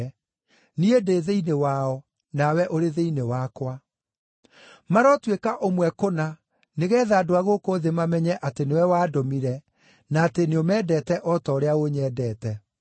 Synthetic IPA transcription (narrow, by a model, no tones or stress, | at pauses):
niedeːðeinewaːɔ | nawɛʔoɾeðeinewakwa | maɾɔtwekaʔomwɛkona | neɣɛːðaːdoaɣokoːðemamɛɲɛʔatenewɛwaːdomiɾɛ | naːteneomɛːdɛːtɛʔɔtɔːɾeaoɲɛːdɛːtɛ